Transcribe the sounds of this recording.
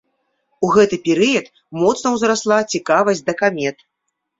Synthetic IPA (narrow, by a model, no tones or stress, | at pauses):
uɣɛt̪ɨpʲɛɾɨjɐt̪ | mɔt̪snɐwzɾaslˠat͡sʲikavɐsʲd̪ɐkamʲɛt̪